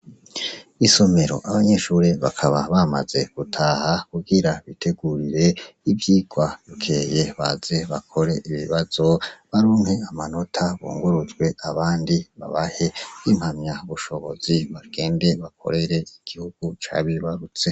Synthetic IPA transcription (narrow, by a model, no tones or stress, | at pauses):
iso̞me̞ɾo̞̰ʔaβaɲe̞ʃuːɾeβakʰaβa̰βama̰z̥e̞ɡ̥utʰaːhakuɡiɾaβitʰe̞ɡuɾiɾe̞ivjiːɡ̥wajukʰe̞ːjeβa̰z̥e̞βa̰kʰo̞ɾe̞ʔiβḭβaz̥o̞βaɾuːŋhe̞amano̞tʰaβo̰ːŋɡuɾuzɡwe̞ʔaβaːndiβa̰βahe̞imhamɲaβuʃo̞βo̞̰z̥iβaɡ̥e̞ːnde̞βakʰo̞̰ɾe̞ɾe̞iɡ̥ihuɡ̥ut͡ʃa̰βiβaɾut͡se̞